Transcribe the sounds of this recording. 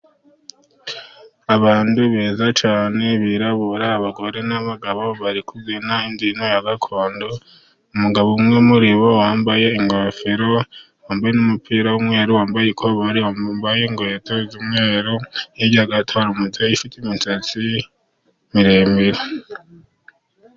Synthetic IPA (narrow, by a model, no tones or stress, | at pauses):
aβaːnduβeːzat͡ʃaːne̞βiɾaβuɾaːβaɡo̞ɾe̞naβaɡaβo̞βaɾikuzinaindino̞jaɡakʰo̞ːndo | umuɡaβomŋemuɾiβowaːmbaje̞iŋɡofiɾo̞ | waːmbajenumupʰiːɾawumŋe̞ːɾuwaːmbajekʰoβaɾiwambaje̞ŋɡwetʰozumŋeːɾujeɟiaɡatʰoɾumutaifitiminsat͡si | miɾeːmbiɾe